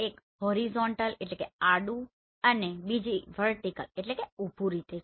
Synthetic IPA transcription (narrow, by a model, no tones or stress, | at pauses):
ek | hɔɾizɔɳʈəleʈlekeaɽu | ənebid͡ʒiʋəɾʈikə̰leʈlekeubʱuɾit̪e